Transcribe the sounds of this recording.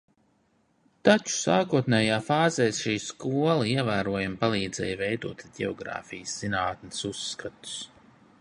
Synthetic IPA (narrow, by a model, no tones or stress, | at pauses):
t̪at͡ʃu̥saːkuɔt̪nɛːjaːfaːzɛːsʃiːskuɔlˠaiɛvæːɾuɔjampalˠiːd̪z̥ɛ̰ːjvɛjd̪uɔt̪ɟɛ̰ɔ̰ɡɾa̰ːfijəsz̥inaːt̪nɪsusːkat̪u̥s